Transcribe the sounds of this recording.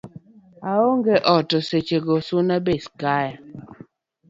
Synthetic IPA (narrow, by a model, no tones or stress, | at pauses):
aoŋɡeʔɔtɔset͡ʃeɡosunabeskaj